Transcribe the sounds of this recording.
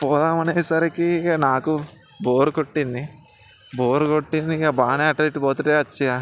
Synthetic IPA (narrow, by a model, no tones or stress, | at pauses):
pɔːd̪aːmɐneːsɐɾekinaːku | boːɾukoʈːind̪i | boːɾukoʈːind̪iabaːneːɐʈːɐiʈːipoːt̪uʈeːɐt͡ʃːia